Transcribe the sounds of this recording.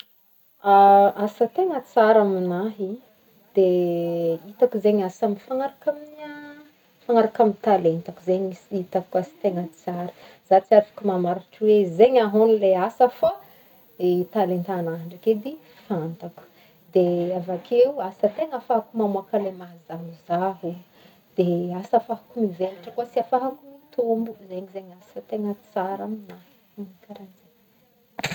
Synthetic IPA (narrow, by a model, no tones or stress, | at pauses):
aasət̪eŋət͡saɾaminaɦi | d̪̥e | it̪akuzeɲasamifaŋaɾakamina | faŋaɾakamint̪alent̪akuzeɲisiit̪akasi̥t̪eŋət͡saɾ | z̥at͡siafi̥kumamaɾaʈ͡ʂwezeɲaɦonileasəfa | et̪alent̪anaɳɖ͡ʐaked̪i | fant̪aku̥ | d̪eavakʰeuasət̪eŋafaɦakumamuakalemazaɦuzaɦu | d̪̥easafaɦakumiveliʈ͡ʂəkasiafaɦakumit̪ʰombuzeɲizeɲasət̪eŋət͡saɾamina | mikaɾand͡zen